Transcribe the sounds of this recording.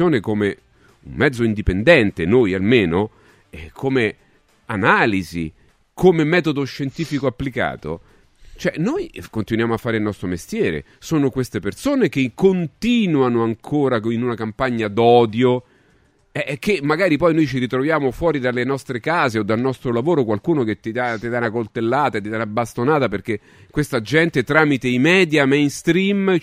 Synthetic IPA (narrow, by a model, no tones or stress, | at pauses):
oːnekome | ṵmmɛd̪zːoind̪ipend̪ɛnt̪enojalmeːno | ɛkʰome | anaːlizḭ | kʰomemɛːt̪od̪oʃːent̪iːfikoapːlika̰ːt̪o̰ | t͡ʃoɛnojkont̪inwjaːmoafːaːɾeilnɔst̪ɾomest̪jɛːɾḛsoːnokwest̪epersoːnek̟ekːont̪iːnwanoaŋkʰoːɾainunakampaɲːad̪ɔːd̪jo | ɛkʰːemːaɡaːɾipɔjnojt͡ʃiɾit̪ɾovjaːmofwɔːɾid̪alːenɔst̪ɾekaːzeod̪ːalnɔst̪ɾolavoːɾokwalkuːnoket̪ːid̪at̪ːid̪anːakolt̪elːaːt̪at̪ːid̪anːabːast̪onaːt̪aperk̟e | kːwest̪ad͡ʒɛnt̪et̪ɾaːmit̪eimɛːd̪jamejnst̪ɾim